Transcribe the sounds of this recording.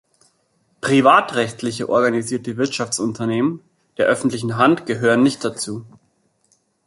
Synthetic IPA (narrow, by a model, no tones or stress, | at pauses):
pʁ̥ivaːtʁɛçtlɪçəʔɔɐɡaniziːɐtəvɪɐtʃaft͡sʊntʰɐneːmən | d̥eːɐʔœfn̩tlɪçn̩ɦantɡ̥əɦøːʁənːɪçt̚d̥at͡suː